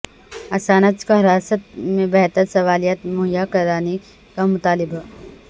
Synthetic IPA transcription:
ɐsaːnət͡ʃkaɦɾaːsət̪̚mẽbɛɦt̪əɾsɐʋaːlijət̪mʊɦjakɐɾaːni | kamʊt̪aːlɪba

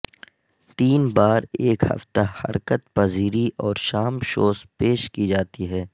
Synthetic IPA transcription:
t̪iːnbaːɾeːkhɐ̰ft̪ahɐ̰ɾkət̪pɐziːɾiʔɔːɾʃaːmʃoːspeːʃkid͡ʒaːt̪iɦɛː

